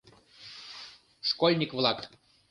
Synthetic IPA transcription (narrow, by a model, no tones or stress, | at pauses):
ʂkolʲnʲikvlˠɑk